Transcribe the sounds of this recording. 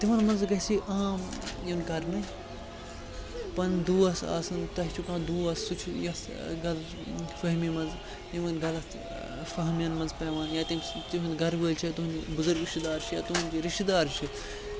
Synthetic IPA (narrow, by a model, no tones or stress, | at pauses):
t̪iʋɐnmɐnzɡɐɦsiʔaːmjenɡɐɾmɐ | pɐnd̪uːɐsa̰ːsɨnt̪ɐɦt͡ʃʰukãːd̪uːɐsːut͡ʃʰjɐs | ɡɐl | fɐɦmimɐnz | t̪iʋɐnɡɐlɐs | fɐɦmjɐnmɐnzpɐːʋaːnjaːt̪imt̪iɦũnd̪ɡɐɾʋəːlʲt͡ʃʰijat̪uɦunibʊzuɾɡɾiʃt̪d̪aːɾt͡ʃʰijaːt̪uɦunʲd͡ʒiɾiʃt̪id̪aːɾt͡ʃʰi